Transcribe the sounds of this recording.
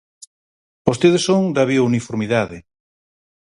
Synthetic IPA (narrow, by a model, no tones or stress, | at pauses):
ost̪eðesoŋd̪ɐβiounifoɾmiðaðɪ